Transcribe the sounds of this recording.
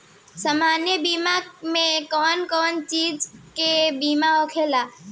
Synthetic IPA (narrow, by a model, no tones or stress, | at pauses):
səmaːnjəbiːmamẽkɔːnkɔːnt͡ʃiːd͡ʒkebiːmaɔːkʰeːlaː